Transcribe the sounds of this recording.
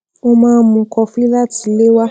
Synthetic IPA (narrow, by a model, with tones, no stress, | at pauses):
o˦mã˨˦˨mũ˨kɔ˨fi˦la˦ti˨le˦wa˦